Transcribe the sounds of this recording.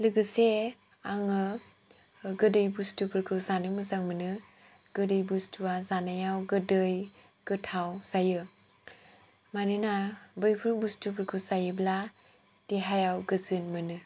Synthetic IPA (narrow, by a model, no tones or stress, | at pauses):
lɯɡɯse | aŋɯ | ɡɯdɯjbustubʰɯɾkʰɯwzanɯmɯzaŋmɯnɯ | ɡ̥ɯdɯjbustuwazanajawɡɯdɯjɡ̥ɯtʰawsajɯ | manɯnabɯjpʰɯbustupʰɯɾkʰɯwsajɯbla | d̥eɦajawɡɯzɯnmɯnɯ